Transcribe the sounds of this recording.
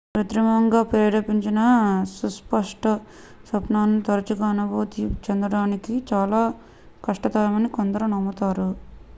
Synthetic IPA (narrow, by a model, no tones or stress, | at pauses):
pɾɐt̪ɾimɐŋɡaːpɾɛːɽɐpiɲt͡ʃinɐsuspɐʂʈɐ | sɐpnaːnut̪ɐɾɐt͡ʃuɡaːnɐboːt̪it͡ʃɛnd̪ɾɐɽaːnikit͡ʃaːlaː | kɐʂʈɐt̪aːjɐmɐnikond̪ɐɾunɐmːɐt̪aːɾu